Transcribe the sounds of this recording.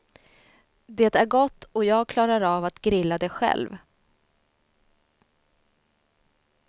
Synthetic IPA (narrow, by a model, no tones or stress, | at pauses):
d̪eːt̪æɾɡɔt̪ːɔjɑːɡ̚kʰlɑːɾaɾavat̪ɡɾɪlːad̪ɛɧɛ̰lv